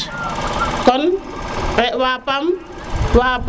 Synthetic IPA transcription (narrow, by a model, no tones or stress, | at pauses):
kɔnwɛʔwapam | wap